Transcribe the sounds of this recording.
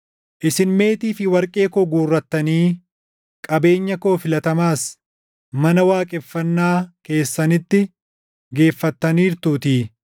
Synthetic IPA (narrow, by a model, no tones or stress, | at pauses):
ʔɪsɪnme̞ːt̪iːfɪwɐɾkʼe̞ːkoːɡuːrːɐt̪ːɐniː | kʼɐbe̞ːɲːɐkoːfɪlɐt̪ɐmaːs | mɐnɐwaːkʼɛfːɐnːaːke̞ːsːɐnɪt̪ːɪ | ɡe̞ːfːɐt̪ːɐniːɾt̪uːt̪iː